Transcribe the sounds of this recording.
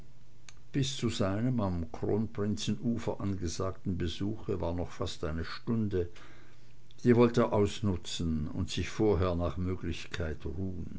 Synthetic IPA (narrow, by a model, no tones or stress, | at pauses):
b̥ɪst͡suzaɪnəmamkʁ̥o̰ːnpʁ̥ɪnt͡sn̩ʔuːfɐʔanɡəzaːktn̩bəzuːxəvaːɐnɔχfastʔaɪnəʃtʊndə | d̥iːvɔltəːɐʔaʊsnʊt͡sn̩ʊ̰ntsɪçfoːɐɦeːɐnaːχmøːɡlɪçkʰaɪtʁuːən